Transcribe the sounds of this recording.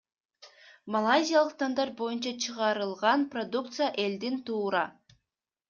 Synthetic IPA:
mɐlˠajzʲijalˠɯqt̪ʰɑnd̪ɑɾbo̞junt͡ʃɑt͡ʃʰɯʁɑɾɯlˠʁɑnprod̪uk̚t̪sɨjaʔe̞ld̪int̪uːɾɑ

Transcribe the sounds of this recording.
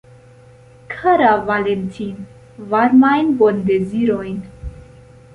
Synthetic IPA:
kʰaɾavalent̪ʰin | vaɾmajnbɔnd̪ɛziɾɔjn

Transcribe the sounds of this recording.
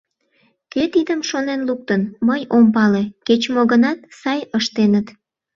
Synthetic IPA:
ket̪id̪əmʃonenluk̚t̪ənməjompɑleket͡ɕmoɣənɑt̪̚sɑjəʃt̪enət̪

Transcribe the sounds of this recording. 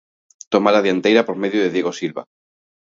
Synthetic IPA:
t̪omalaðjant̪ejɾapoɾmeðjoðeðjeɣosilβa̰

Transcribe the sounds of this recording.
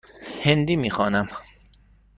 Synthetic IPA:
hend̪iːmiːxɒːnæm

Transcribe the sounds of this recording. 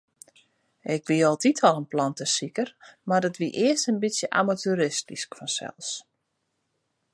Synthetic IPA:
ɪkʋiɔlˠtitʰɔlˠənplɔntəsikərmardɔtʋiʔɪəstənbitsjəʔa̰matyɾɪstiskfɔnsɛ̰lˠs

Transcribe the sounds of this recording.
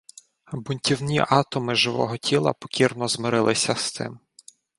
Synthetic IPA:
bʊnʲtʲiwnʲiʔɑt̪ɔmɪʒɪʋɔ̰ɦɔtʲʰilˠɐ̰pɔ̥kʲirnɔzmɪɾɪlˠɪsʲɐst̪ɪ̰m

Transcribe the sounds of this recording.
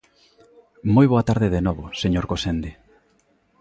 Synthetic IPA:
mojβoat̪aɾðeðenɔβoseɲoɾkosend̪e

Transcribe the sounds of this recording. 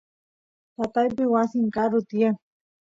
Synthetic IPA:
t̪at̪ajpɪwasiŋkaɾʊt̪ie

